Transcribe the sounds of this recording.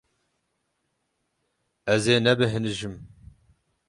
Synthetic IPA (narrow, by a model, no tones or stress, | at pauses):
ɛzeːnɛbɨɦɨnɨʒɨm